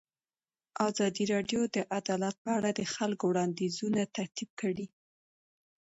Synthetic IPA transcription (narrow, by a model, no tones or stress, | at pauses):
ɑzɑd̪iɾɑɖjod̪əʔad̪ɑlat̪̚pəaɽad̪əxalkowɽɑnd̪izunat̪aɾt̪ib̚kəɽi